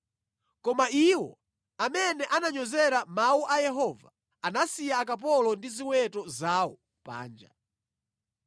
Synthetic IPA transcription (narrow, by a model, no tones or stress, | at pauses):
kɔmaiwɔ̰ | amɛnɛʔanaɲɔzɛɾamauʔajɛɦɔːva | anasijaːk̬ap̬ɔlɔndiziwɛtɔzawɔ | pa̰ːnd͡ʒa